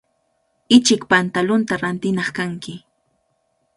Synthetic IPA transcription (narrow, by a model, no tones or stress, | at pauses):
ɪt͡ʃɪkpant̪alʊnt̪aɾant̪ɪnɑχkaŋkɪ